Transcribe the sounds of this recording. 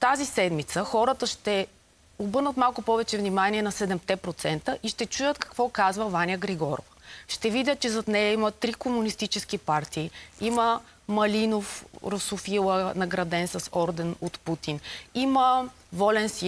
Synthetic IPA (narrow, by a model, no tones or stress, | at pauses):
t̪azisɛd̪mit̪səxɔɾət̪əʃt̪ɛ | obɤɾnət̪malˠkʊpɔvɛt͡ʃɛvnʲimaniɛnɐsɛd̪ɛmt̪ɛpɾot̪sɛnt̪əʔiʃt̪ɛt͡ʃujət̪kɐ̥kvɔkazvəvanʲjəɡɾɛɡɔɾo̰vəʃt̪ɛvid̪ʲət̪̚t͡ʃɛzɐt̪nɛjɐimɐt̪ɾikomunist̪it͡ʃɛsk̟ipaɾt̪iːimə | mɐlinofɾosʊfilˠənɐɡɾɐd̪ɛnsɐsɔɾd̪ɛnot̪put̪inimə | vɔlɛnsi